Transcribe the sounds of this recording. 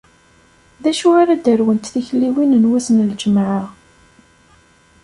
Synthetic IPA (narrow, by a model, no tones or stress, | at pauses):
ðæʃuaɾad̪əɾwənt̪θiçlːiwinənwæsənld͡ʒəmʕə